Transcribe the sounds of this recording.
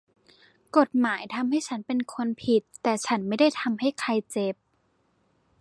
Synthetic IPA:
ko˨˩t̪̚maː˩˦jt̪ʰa˧mha˥˩jt͡ɕʰa˦˥npe˧nkʰo˧npʰi˨˩t̪ːɛː˨˩t͡ɕʰa˦˥nma˥˩jda˥˩jt̪ʰa˧mha˥˩jkʰa˧jt͡ɕe˨˩p̚

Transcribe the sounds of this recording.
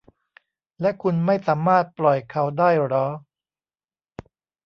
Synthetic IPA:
lɛ˦˥ʔkʰu˧nma˥˩jsaː˩˦maː˥˩t̪̚plɔ˨˩jkʰa˦˥wdaː˥˩jɾɔː˦˥

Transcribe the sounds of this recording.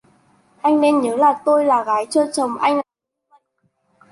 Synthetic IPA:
ʔa˧jŋ̟ne˧nɲəː˨˦laː˨˩t̪o˧jlaː˨˩ɣaː˨˦jt͡ɕəː˧t͡ɕə˨˩wŋ͡mʔa˧jŋ̟˨˧

